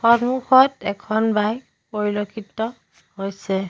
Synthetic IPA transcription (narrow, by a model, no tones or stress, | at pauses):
xɔnmuxɔtɛkʰɔnbaj | poɹilokʰitɔ | hojsɛ